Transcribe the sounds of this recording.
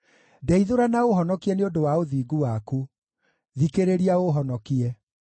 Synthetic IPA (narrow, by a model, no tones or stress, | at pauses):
dɛiðoɾanaoɦɔnɔkiɛneodowaoðiːɡuwaku | ðikeɾeɾiaoɦɔnɔkiɛ